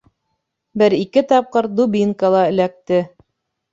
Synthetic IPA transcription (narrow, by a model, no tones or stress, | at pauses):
bɘɾikɘt̪ɑp̚qɤɾd̪ubʲiŋkəlˠɑɘ̆læk̚t̪ɘ